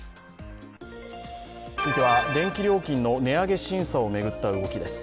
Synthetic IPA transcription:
t͡sɨit̪eβad̪ẽ̞ŋkʲiɾʲo̞ːkʲĩnːo̞ne̞aɡe̞ɕĩɰ̃sao̞me̞ɡɯ̟t̪ːaɯ̟ɡo̞kʲid̪e̞sɨ̥

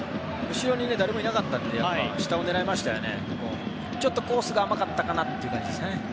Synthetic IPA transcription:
ɯ̟ɕiɾo̞ɲ̟ine̞d̪aɾe̞mo̞inakat̪ːãnd̪e̞japːaɕi̥t̪ao̞ne̞ɾaemaɕi̥t̪ajone̞̰ | mo̰ː | t͡ɕo̞t̪ːoko̞ːsɨɡaːmakat̪ːakanat̪ːe̞jiɯ̟kã̰ɲd͡ʑid̪e̞sɨne

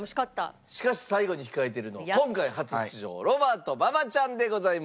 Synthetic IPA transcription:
moɕi̥kat̪ːa̰ɕi̥kaɕi̥saiɡo̞ɲ̟içi̥kaet̪̬e̞ɾɯ̟no̞̰kõ̞ŋkaihat͡sɨɕiʑo̞̰ːɾo̞baːt̪o̞babat͡ɕãnd̪e̞ɡo̞zaim

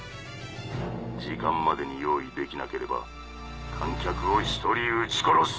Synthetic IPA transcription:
d͡ʑikãmːad̪e̞ɲijo̞ːid̪e̞kʲinake̞ɾe̞ba̰ | kʰãŋkʲakɯ̟oçi̥t̪o̞ɾʲiɯt͡ɕi̥ko̞ɾos

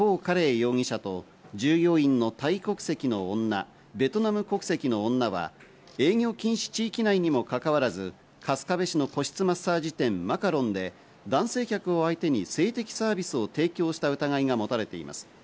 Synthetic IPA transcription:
ko̞ːkaɾe̞ːjo̞ːŋʲiɕat̪o̞ | d͡ʑɨːjo̞ːĩnːo̞t̪aiko̞kɯ̥se̞kʲino̞onːa̰ | be̞t̪o̞namɯ̟ko̞kɯ̟̥se̞kʲinõ̞ːnːaβa̰ | e̞ːŋʲo̞ːkʲĩɰ̃ɕi̥t͡ɕiːkʲinaiɲ̟imo̞kakaβaɾazɨ | kʰasɨ̥kabe̞ɕino̞ko̞ɕi̥t͡sɨmasaːʑit̪ẽ̞mmakaɾõ̞nd̪e̞ | d̪ãɰ̃se̞ːkʲakɯ̟o̞ait̪e̞ɲ̟ise̞ːt̪e̞kʲi̥saːbʲisɨo̞t̪e̞ːkʲo̞ːɕi̥t̪aɯ̟t̪aɡaiɡamo̞t̪aɾe̞t̪e̞ḭma̰sɨ̥

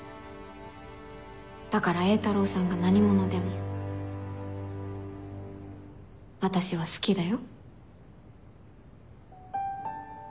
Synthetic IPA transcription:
d̪̥akaɾae̞ːt̪aɾo̞ːsãŋɡanaɲ̟imo̞no̞d̪e̞mo | βat̪aɕiβ̞asɨ̥kʲid̪ajo̞

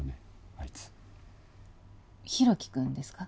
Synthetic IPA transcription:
ne | ait͡sɨ̥ | çiɾo̞kʲi̥kɯ̟̃nd̪e̞sɨ̥ka

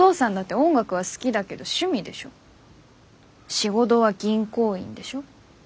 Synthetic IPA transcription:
o̞ːsãnd̪at̪ːe̞õ̞ŋɡakɯ̟βasɨ̥kʲid̪ake̞d̪o̞ɕɨmʲid̪e̞ɕo | ɕiɡo̞d̪o̞βaɡʲĩŋko̞ːḭ̃nd̪e̞ɕo̞

